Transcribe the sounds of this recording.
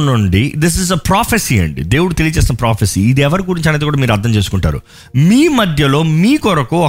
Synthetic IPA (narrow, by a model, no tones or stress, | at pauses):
nuɳɖid̪is̬izɐpɾaːpʰɐsiːḛɳɖḭd̪e̞ːwuɽut̪e̞lijɐt͡ʃeːsinɐpɾaːpʰesiːd̪iɛʋɐɾiɡuɾiɲt͡ʃɐnet̪ekuːɽaːmiːɾɐd̪ʱːɐɲt͡ʃeːsukuɳʈa̰ːɾṵ | miːmɐd̪ʱjɐlo̞ːmiːkɔɾɐkuɔ